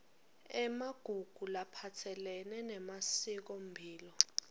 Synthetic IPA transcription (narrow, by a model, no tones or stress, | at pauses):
ɛmaɡ̥ʱuɡ̥ʱulapʰatʰɛlɛnɛnɛmasik̬ombʱiːlɔ